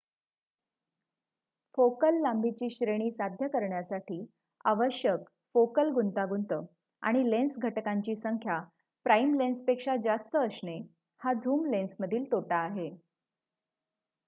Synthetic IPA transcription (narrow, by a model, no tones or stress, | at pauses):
fokəlːambʱit͡ɕiːɕɾeɽ̃iːsad̪ʱjəkəɾɳjasaʈiː | a̰ʋəɕjək | fokəlɡunt̪aɡunt̪əː | a̰ɽ̃ilensɡʱəʈkaɲt͡ɕiːsəŋkʰja | pɾaimlenspekʂad͡zast̪əːsɳe | had͡zʱuːmlensməd̪ʱiːlt̪oʈaːɦe